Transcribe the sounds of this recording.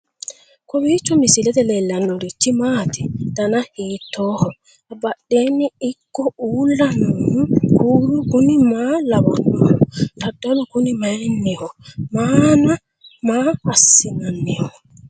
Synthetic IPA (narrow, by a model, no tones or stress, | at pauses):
kɔwit͡ʃɔmisilɛdɛlɛlanːɔɾitimaːtidanahiːtɔhɔ | abaɗːeniikːɔulanukuːɾukunimalawɔnːɔhɔdadɔlɔkunimajnːɛhɔmaːna | mahasːinanːɛhɔ